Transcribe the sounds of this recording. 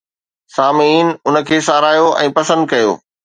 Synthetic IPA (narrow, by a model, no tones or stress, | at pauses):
saːmiːnʊnə̆kʰeːsaːɾaːjoʔɛ̰̃ːpɐsə̃nd̪̚kɐjo̰ː